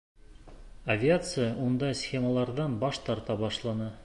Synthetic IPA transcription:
ɐvʲɪat̪sɨjaʔund̪ɑsxʲeməlˠɑɾðɑnbɑʃt̪ɑɾt̪ɑbɑʃlˠɑnɤ

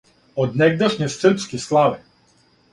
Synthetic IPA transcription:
ɔd̪nɛɡ̚d̪aʃɲɛsrpskislˠavi

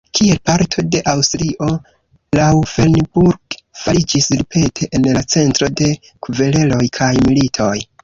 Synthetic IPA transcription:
kʰie̞lpaɾtʰo̞de̞ʔawstɾiʔo̞ | lawfelnbuɾɡfalid͡ʒislipʰe̞tʰe̞ʔenlat͡se̞ntɾo̞de̞ | kʰuve̞le̞lo̞jkʰajmilitʰo̞j

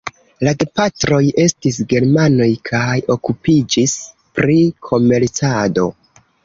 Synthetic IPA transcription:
lade̞patɾo̞je̞stisɡe̞ɾmano̞jkʰajo̞kupid͡ʒis | pɾikʰo̞me̞ɾt͡sado̞̰

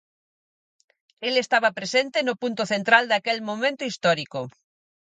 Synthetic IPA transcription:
elest̪aβapɾesẽnt̪enopunt̪oθent̪ɾald̪akelmomẽnt̪oist̪ɔɾiko

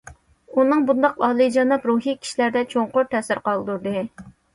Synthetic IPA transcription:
unɨŋbund̪ɑq̚ɑlˠɨd͡ʒɑnɑpɾuɦikʲʰi̥ʃilæɾd̪ɛt͡ʃʰoŋqʊɾt̪ʰɛsɪɾqɑlˠd̪uɾd̪ɨ

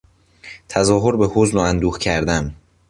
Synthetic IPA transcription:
t̪ʰæzɒːɦoɾbehozloænd̪uːxcʰæɾd̪æm

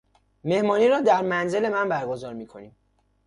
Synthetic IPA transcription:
me̞hmɒːniːɾɒːd̪æɾmænze̞le̞mænbæɾɡo̞zɒːɾmiːkʰo̞̰niːm

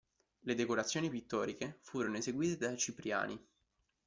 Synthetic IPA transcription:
led̪ekoɾat̪sːjoːnipit̪ːɔːɾikefuːɾonoezeɡwiːt̪ed̪ajt͡ʃipɾja̰ːni

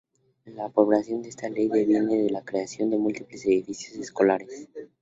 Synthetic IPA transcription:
lapo̞βlasjo̞nd̪eest̪ale̞jðe̞βjeneðelakɾeasjo̞nd̪e̞mult̪iple̞seðifisjo̞seskolaɾes

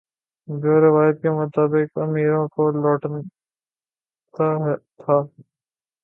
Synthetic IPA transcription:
d͡ʒoːɾɪʋaːjət̪̚kemʊt̪aːbɪkɐmiːɾõkolɔːʈn | t̪aɦt̪ʰaː

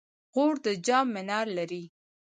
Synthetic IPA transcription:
ɣoɽd̪əd͡ʒɑmːɪnɑɾlaɾi

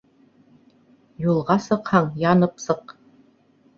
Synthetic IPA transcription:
julˠʁɑsɤ̆qhɑɴjɑnɤpsɤq

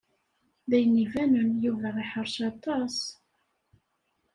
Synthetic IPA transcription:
ðæjnivænənjuvæʁiħəɾˤʃɑt̪ˤɑs

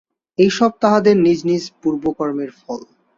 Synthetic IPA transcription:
ejʃɔb̚t̪aɦad̪eɾnid͡ʑnid͡ʑpuɾbokɔɾmeɾfɔl

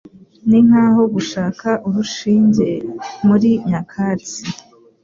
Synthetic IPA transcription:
niŋ̥haːɦo̞ɡuʃaːkʰaʔuβuʃiːɲze̞muɾiɲakʰaːt͡si

